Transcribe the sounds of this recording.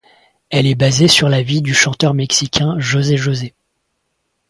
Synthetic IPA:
ɛlɛbazesyʁlavid̪yʃɑ̃t̪œʁmɛksikʲɛ̃ʒozeʒoze

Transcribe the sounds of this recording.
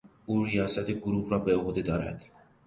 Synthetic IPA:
uːɾijɒːsæt̪ʰeɡoɾuːhɾɒːbeoɣod̪ed̪ɒːɾæ̰d̪̥

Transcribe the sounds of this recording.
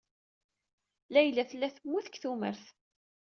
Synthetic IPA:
læjəlːæθəlːæθəmːuθəkθumə̰ɾθ

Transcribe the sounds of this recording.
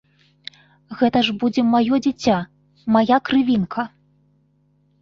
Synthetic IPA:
ɣɛt̪ɐʐbud͡zʲɛmajɔd͡zʲit͡sʲːa | majakɾɨvʲinkʰɐ

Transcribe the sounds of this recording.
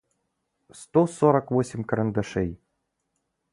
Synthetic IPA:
st̪osɔɾɐkvosʲɪmʲkɐɾɐnd̪ɐʂɛj

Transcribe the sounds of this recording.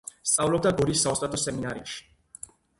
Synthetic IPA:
st̪sʼavlɔb̚d̪aɡɔɾisːaɔst̪ʼat̪ʰɔsɛminaɾḭʃi̥

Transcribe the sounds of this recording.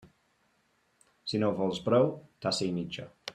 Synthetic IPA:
sinovɔlˠzbɾowt̪ʰasimit͡ʃa

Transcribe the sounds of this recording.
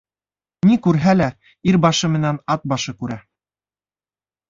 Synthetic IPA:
nikʉɾɦælæ | iɾbɑʃɤmɘ̆nænɑt̪̚bɑʃɤkʉɾæ

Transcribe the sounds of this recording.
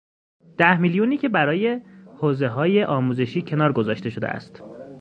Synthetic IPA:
d̪̥æhmiljuniːcʰʲe̞bæɾɒːje̞hoːze̞ɦɒːje̞ʔɒːmuːze̞ʃiːcʰe̞nɒːɾɡo̞zɒːʃt̪e̞ʃo̞d̪ḛæ̰st̪

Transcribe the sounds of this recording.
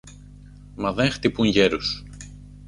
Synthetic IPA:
mɐðe̞ŋxt̪ipuŋʝeɾus

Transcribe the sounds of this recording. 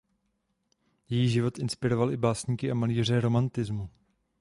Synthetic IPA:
jɛjiːʒɪvo̞t̪ʔɪnspɪɾo̞valʔɪbaːsɲiːkɪʔamaliːr̝ɛɾo̞mant̪ɪzmu

